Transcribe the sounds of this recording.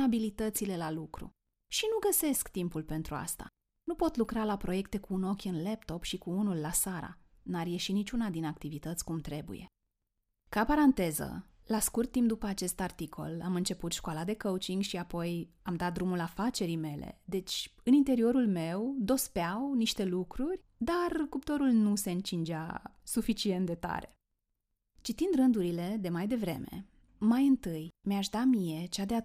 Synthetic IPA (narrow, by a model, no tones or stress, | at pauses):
abilit̪ət̪sile̞lalukɾṵ | ʃinuɡəse̞skt̪impulpe̞nt̪ɾua̰st̪a̰ | nupo̞t̪lukɾalapɾo̞je̞kt̪e̞kuːno̞kʲɨnlept̪o̞pʃikuunulːasaɾa̰ | narje̞ʃinit͡ʃunad̪inak̚t̪ivit̪ət̪sʲkumt̪ɾe̞bṵje̞̰ | kapaɾant̪e̞zə̰laskurt̪ːimp̚d̪upəat͡ʃe̞st̪art̪ikʰo̞̰lamɨnt͡ʃe̞put̪ʃkoalad̪e̞kəut͡ʃiŋɡʃiapo̞jamd̪at̪̚d̪ɾumulafat͡ʃe̞ɾijme̞lḛd̪e̞t͡ʃʲɨnint̪e̞ɾio̞ɾulme̞wd̪o̞speawniʃt̪e̞lukɾurʲ | d̪arkupt̪o̞ɾulnuse̞ɨnt͡ʃind͡ʒa̰ | sufit͡ʃie̞nt̪̚d̪e̞t̪a̰ɾe̞ | t͡ʃit̪ind̪ɾɨnd̪uɾile̞d̪e̞majd̪e̞vɾe̞̰me̞̰ | majɨnt̪ɨjmeaʃd̪amije̞t͡ʃad̪ea